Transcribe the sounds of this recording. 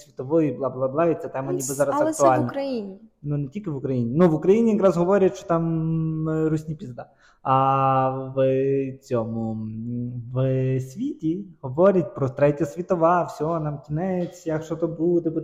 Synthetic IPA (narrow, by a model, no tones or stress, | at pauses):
sʲʋʲit̪ɔʋɔjiblˠɑblˠablˠɑit̪sɛt̪ɛmɐnʲiɨzɑɾɐsɐkt̪ʊalʲnɾɐjinʲinunetʲilʲkɪʋʊkɾɐjinʲinuʋʊkɾɐjinʲijɐkɾazɦɔʋɔɾʲɐtʃt͡ʃɔ̥t̪ɑm | rusʲnʲipʲizd̪ɑ | ɐ | ʋt͡sʲɔmʊ | ʋsʲʋʲitʲiɦɔʋɔɾʲɐt̚ʲpɾɔt̪ɾɛtʲɐsʲʋʲit̪ɔʋɑfsʲɔɦɔnamkʲinɛt͡sʲjakʃɔt̪ɔbud̪ɛb